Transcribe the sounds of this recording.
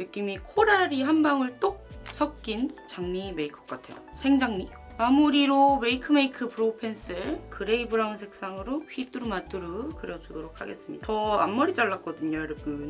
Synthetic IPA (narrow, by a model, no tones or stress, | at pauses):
nɯk͈̚imikʰoɾaɾiɦambaŋɯɭt͈ok̚sʰʌk̚k͈int͡ɕaŋmime̞ikʰʌ̥k͈atʰe̞jo̰sʰe̞ŋd͡ʑaŋmi | mamuɾiɾome̞ikʰɯme̞ikʰɯpʰɯɾopʰens͈ɯkɯɾe̞ibɯɾaŋsʰe̞k̚s͈aŋɯɾoɸʰit͈ɯɾumat͈ɯɾɯkɯɾjʌd͡ʑudoɾok̚ʰa̰ɡe̞s͈ɯmɲidaʌa̰mːʌɾit͡ɕ͈aɭːak͈ʌdɯɲoɾɯpɯ